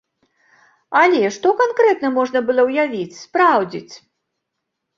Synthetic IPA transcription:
alʲɛʂt̪ɔkankɾɛt̪nɐmɔʐnɐbɨlˠɔwjavʲit͡sʲspɾawd͡zʲḭt͡sʲ

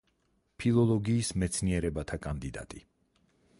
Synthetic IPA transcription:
pʰilˠɔlˠɔɡiːsmɛt̪sʰniɛɾɛbat̪ʰakʼand̪id̪a̰t̪ʼi

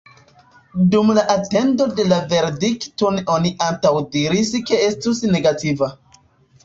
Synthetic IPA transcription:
dumlaʔate̞ndo̞de̞lave̞ɾdiktono̞niʔantawdiɾiske̞estusne̞ɡativa

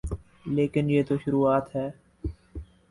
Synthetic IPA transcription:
leːkɪnjeːt̪oʃʊɾuːaːt̪ɦɛː

